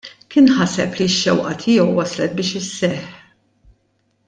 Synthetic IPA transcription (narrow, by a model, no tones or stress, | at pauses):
kɪːnħɐsɛpliɪʃːɛwʔɐt̪ʰɪːjɛwːɐslɛt̪̚bɪːʃɪsːɛħ